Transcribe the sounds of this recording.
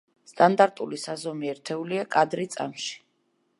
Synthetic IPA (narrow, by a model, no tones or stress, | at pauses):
st̪ʼand̪aɾt̪ʼulisazɔmiɛɾt̪ʰɛuliakʼad̪ɾit̪sʼa̰mʃi̥